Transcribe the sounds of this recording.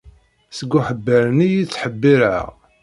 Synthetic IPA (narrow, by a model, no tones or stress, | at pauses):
səɡːuħəbːəɾnijit͡sːħəbːiɾə̰ʁ